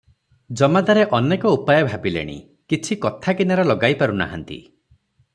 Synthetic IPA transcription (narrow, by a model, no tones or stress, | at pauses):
d͡ʒɔmad̪aɾeʔɔnekɔupajɔbʱabilḛɽ̃ḭ | kit͡ʃʰikɔt̪ʰakinaɾɔlɔɡajpaɾuna̰ɦa̰nt̪ḭ